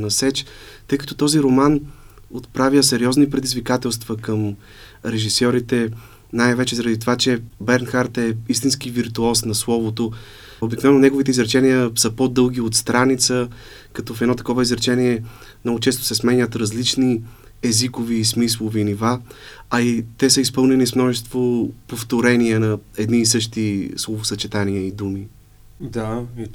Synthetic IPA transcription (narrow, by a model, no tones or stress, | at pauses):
nɐsɛt͡ʃt̪ɤjkɐ̥t̪ɔt̪ɔziɾomanot̪pɾavʲjəsɛɾiɔznipɾɛd̪izvikat̪ɛlˠst̪vəkəm | ɾɛʒisɔɾit̪ɛ | najvɛt͡ʃɛzɐɾɐd̪it̪ovat͡ʃɛbɛɾnxaɾt̪ɛist̪inskiviɾt̪uɔsnɐslˠɔvot̪o | obiknvɛnːonɛɡovit̪ɛizɾɛt͡ʃɛnijəsəpod̪ɤlˠɡ̟iot̪st̪ɾanit̪sə | kɐt̪ɔfɛd̪nɔt̪ɐ̥kɔvəizɾɛt͡ʃɛniɛ | mnɔɡot͡ʃɛst̪ʊ̥sɛsmɛɲʲət̪ɾɐzlit͡ʃni | ɛzikoviːsmislˠovinivaɐit̪ɛsəispɤlˠnɛnismnɔʒɛst̪vopoft̪oɾɛniɛnɐɛd̪niːsɤʃt̪islˠovosɐt͡ʃɛt̪aniəid̪umi | d̪a